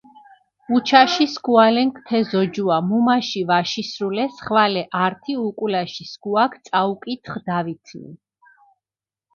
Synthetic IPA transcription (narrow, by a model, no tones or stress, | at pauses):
ut͡ʃʰaʃiskualɛŋkʰt̪ʰɛzɔd͡ʒuamumaʃivaʃisɾulɛsχvalɛʔaɾt̪ʰiukʼulaʃisɡuakʰt̪sʼaukʼit̪ʰχd̪avit̪ʰnḭ